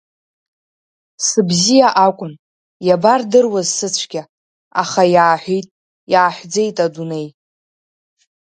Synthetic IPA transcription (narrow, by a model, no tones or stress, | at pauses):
sɨbzijaʔakʷʼʊn | jabardɨrwazsɨt͡ɕʷʰɡʲa | aχajaːħʷᶣitʼ | jaːħʷd͡ze̞jtʼadune̞j